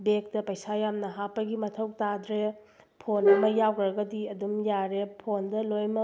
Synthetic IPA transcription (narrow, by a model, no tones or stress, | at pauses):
bek̚tɐpɐjsajamnɐɦapːɐɡimɐtʰɐwtadɾe | pʰonɐmɐjawkɾɐɡɐdiɐdumjaɾepʰondɐlojmɐ